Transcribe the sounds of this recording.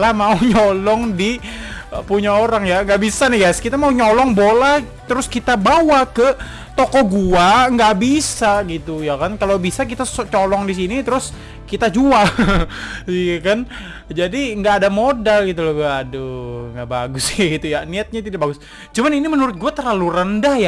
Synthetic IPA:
lahmauɲɔlɔŋdi | puɲaoɾaŋjaŋɡaʔbisanɪhɡajskit̪amauɲɔlɔŋbolah | t̪əɾʊskit̪abawakə | t̪okɔɡuaŋɡaʔbisaɡit̪ujakankalabisakit̪ast͡ʃolɔŋdis̬init̪əɾʊs | kit̪ad͡ʒual | kan | d͡ʒadiŋɡaːdamodalɡit̪ulɔɡuaːdoŋɡaʔba̰ɡʊsjaɡit̪ujaniat̪̚ɲat̪idabaɡʊs | t͡ʃumaninimənuɾʊt̪̚ɡuat̪ərlalurəndahja

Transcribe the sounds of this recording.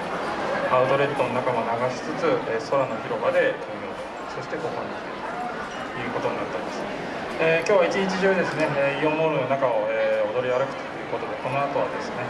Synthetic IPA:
aɯ̟t̪o̞ɾe̞t̪ːo̞no̞nakamo̞naɡaɕi̥t͡sɨt͡sɨeːso̞ɾano̞çiɾo̞bad̪e̞t̪ʰomɾʲo̞ːt̪o̥ | so̞ɕi̥t̪e̞kokõnd̪kt̪o̥ | jɯ̟ːko̞t̪o̞ɲ̟inat̪ːaɾimasɨ̥ | eːkʲo̞ːβait͡ɕiɲ̟it͡ɕiʑɨːd̪e̞sɨne̞eːiomoɾɯnakao̞eːo̞d̪o̞ɾʲijaɾɯ̟kɯ̟̥t̪o̥jɯ̟ːko̞t̪o̞d̪e̞ko̞no̞at̪o̞βad̪e̞sɨne̞

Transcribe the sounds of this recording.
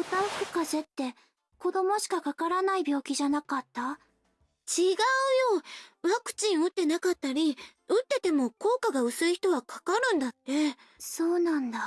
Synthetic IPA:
ot̪akɯ̟̥kaze̞t̪ːe̞ | ko̞d̪o̞mo̞ɕi̥kakakaɾanaibʲo̞ːkʲiʑanakat̪ːa | t͡ɕiɡaɯ̟joːβakɯ̟̥t͡ɕĩɰ̃ɯ̟t̪ːe̞nakat̪ːaɾʲi | ɯ̟t̪ːe̞t̪e̞mo̞ko̞ːkaɡaɯ̟sɨiçi̥t̪o̞βakʰḁkaɾɯ̟̃nd̪at̪ːe̞ | so̞ːnãnd̪a

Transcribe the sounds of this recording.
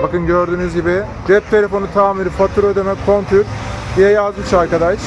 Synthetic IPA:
bakɯnɟø̞ɾd̪yːnyzɟibɪ | d͡ʒɛp̚t̪ʰe̞lʲe̞fo̞nut̪ʰaːmiɾifat̪ʰuɾød̪emɛkʰo̞nt̪ʰyɾd̪ijɛjazd̪ɯkt͡ʃʰaɾkad̪aʃ

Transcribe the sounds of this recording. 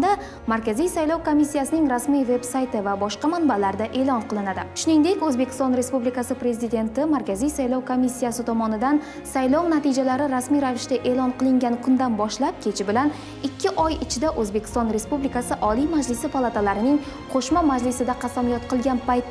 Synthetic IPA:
d̪a | maɾkʲʰazijsajlɒwkʰo̞misːijasɪnɪŋɾasmijve̞bsajt̪ɪvabɒʃqɑmanbalaɾd̪aʔe̞lˠɒnqɨlˠɪnad̪ɪʃʊnɪŋd̪e̞kʲɵzbekʲʰɪst̪ɒnɾe̞spublikasɪpɾe̞zɪd̪e̞nt̪ɪmaɾkʲʰazijsajlɒwkʰomisːijasɪt̪ʰɒmɒnɪd̪an | sajlɒwnat̪id͡ʒalaɾɪɾasmijɾavɪʃt̪aʔe̞lˠɒnqɨlˠɪŋɡʲankʰʊnd̪anbɒʃlap̚kʲʰe̞t͡ʃʰɪbɪlan | ɪkʲʰːɪʔɒjɪt͡ʃʰɪd̪aʔɵzbe̞kʲʰɪ̥st̪ɒnɾe̞spublikasɪʔɒlijmad͡ʒlɪsɪpʰalˠat̪ʰalaɾɪnɪŋ | qʰoʃmamad͡ʒlɪsɪd̪aqʰɑsamlijɒt̪̚qʰɨlˠɡʲanpajt̪ː

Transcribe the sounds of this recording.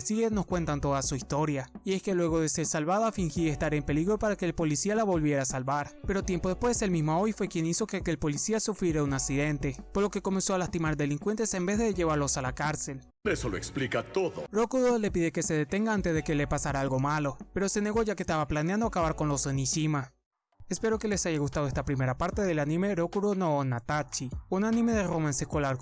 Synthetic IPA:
sieno̞skwe̞nt̪ant̪o̞ðasuist̪o̞ɾjaie̞ske̞lwe̞ɣ̞o̞ð̞e̞se̞ɾsalβaðafiŋxiest̪aɾe̞mpe̞liɣɾopaɾake̞ːlpo̞lisialaβo̞lβje̞ɾasalβaɾpe̞ɾo̞t̪je̞mpo̞ðe̞pwe̞se̞lmizmoaojfwe̞kje̞ŋiso̞kekeːlpo̞lisiasufɾjeɾaunaksiðe̞nt̪e̞pozlo̞ke̞ko̞me̞nso̞alast̪imaɾd̪e̞liŋkwe̞nt̪e̞se̞mbe̞zðe̞ʝe̞β̞aɾlo̞salakaɾse̞l | ɾesoloeksplikat̪oðoɾokuɾole̞piðeke̞seðe̞t̪e̞ŋɡaant̪ezðe̞ke̞lepasaɾaalɣo̞malo̞pe̞ɾo̞se̞ne̞ɣo̞ʝakest̪aβaplaneand̪oakaβaɾko̞nlosenisima | espe̞ɾo̞ke̞le̞saʝaɣust̪aðoest̪apɾime̞ɾapaɾt̪e̞ðe̞lanĩme̞ɾokuɾononat̪at͡ʃiunanĩme̞ðeromanseskolaɾ

